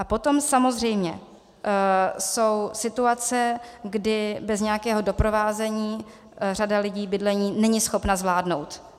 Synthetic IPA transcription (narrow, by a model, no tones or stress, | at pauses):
ʔapo̞t̪o̞msamo̞zr̝ɛjmɲɛ | so̞wsɪt̪uat͡sɛɡdɪbɛzɲɛjakɛːɦo̞do̞pɾo̞vaːzɛɲiː | radalɪɟiːbɪdlɛɲiːnɛɲɪsxo̞pnazvlaːdno̞wt̪